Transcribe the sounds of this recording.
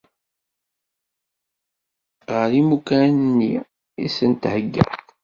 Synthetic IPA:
ʁəɾimukænənːi | isənt̪həɡːæ̰

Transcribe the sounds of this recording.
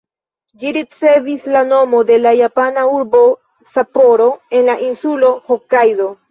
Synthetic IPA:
d͡ʒiɾit͡se̞vislano̞mo̞de̞lajapanauɾbo̞ | sapo̞ɾo̞e̞nlaʔinsulo̞hokajdo̞

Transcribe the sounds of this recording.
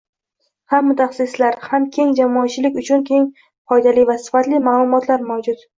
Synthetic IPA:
hamːʊt̪ʰaχsɪslaɾhamkʲʰe̞ŋd͡ʒamɒat͡ʃʰɪlɪkʲʊt͡ʃʰʊnkʲʰe̞ŋ | fɒjd̪alɪvasɪ̥fat̪lɪmaːlˠʊmɒt̪laɾmawd͡ʒʊt̪

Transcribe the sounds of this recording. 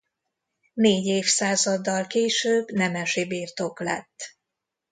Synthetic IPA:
neːɟeːfsaːzɒd̪ːɒlkeːʃøːbnɛmɛʃibiːrt̪o̞klɛ̰t̪ː

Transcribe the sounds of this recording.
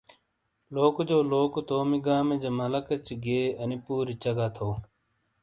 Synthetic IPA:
loːkod͡ʑoːloːkot̪oːmiɡaːmed͡ʑɐmɐlɐkɐt͡ɕiɡeːɐnipuːɾit͡ɕɐɡat̪ʰoː

